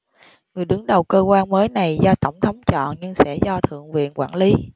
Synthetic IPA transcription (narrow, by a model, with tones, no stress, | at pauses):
ŋɨ˨˩əjɗɨ˨˦əŋɗə˨˩wkəː˧kwaː˧nməː˨˦jna˨˩jzɔ˧t̪ə˧˩wŋ͡mt̪ʰə˨˦wŋ͡mt͡ɕɔ̰˧˨nɲɨ˧ŋsɛ̰˧˥zɔ˧t̪ʰɨ̰˧˨əŋvḭ˧˨ənkwaː˧˩nli˨˦